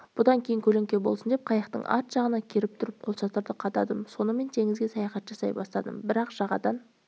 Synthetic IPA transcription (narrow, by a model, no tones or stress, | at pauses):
b̥ʊd̪ɑŋkʲʰe̞jɪŋkʲʰɵle̞ŋkʲe̞bo̞lˠsənd̪ep̚qʰɑjɑqt̪ə̰ɴʔɑ̰t̪ʒ̥ɑʁənɑkʲʰeɾɪp̚t̪ʰʊɾɪp̚qʰo̞lˠʃɑt̪əɾd̪əqʰɑt̪ɑd̪əmso̞nəme̞nt̪ʰe̞ŋɪzɡʲe̞sɑjɑχɑt̪ʒɑsɑ̰jbɑst̪ɑ̰d̪ə̰mbɪɾɑqʒɑʁɑd̪ɑn